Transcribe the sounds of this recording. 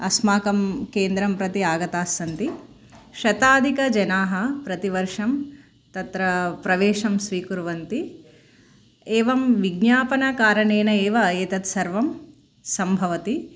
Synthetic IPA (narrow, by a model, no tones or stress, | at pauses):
ɐsmaːkɐmkeːnd̪ɾɐmpɾɐt̪iaːɡɐt̪aːsːɐnt̪i | ʃɐt̪aːd̪ʱikɐd͡ʒɐnaːɦɐpɾɐt̪iʋɐɾʂɐm | t̪ɐt̪ɾɐpɾɐʋeːʂɐmsʋiːkuɾʋɐnt̪i | eːʋɐmʋiɡnjaːpɐnɐkaːɾɐɳeːnɐeːʋɐːjɐt̪ɐt̪sɐɾʋɐm | sɐmbʱɐʋɐt̪i